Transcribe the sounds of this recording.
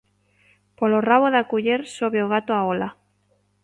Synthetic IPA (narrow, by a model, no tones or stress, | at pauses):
poloraβoðakuʎeɾsoβeoɣ̞at̪oaola